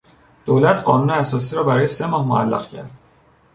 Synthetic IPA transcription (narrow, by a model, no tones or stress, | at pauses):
d̪̥olæt̪ʰɢɒːnuːneæsɒːs̬iːɾɒːbæɾɒːje̞se̞mɒːhmo̰æ̰lːæ̰ɣcʰæ̰ɾd̪̥